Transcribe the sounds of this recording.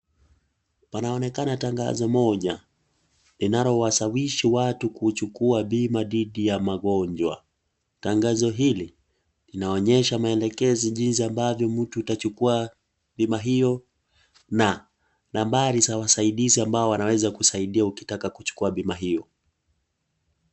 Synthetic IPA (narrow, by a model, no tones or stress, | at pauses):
panaɔnɛkanataŋɡa̰zɔmɔʄa | linaɾɔwasawiʃiwatukut͡ʃukuaɓimaðiɗijamaɠɔɲd͡ʒwa̰ | taŋɡazɔɦili | linaɔɲɛʃamaɛlɛkɛziʄinsiambavjɔm̩tuːtat͡ʃukua | ɓimaɦijɔ | na | nambaɾisawasaiɗiziambaɔwanawɛzakusaiɗiauki̥takakut͡ʃu̥kuaɓimaɦijɔ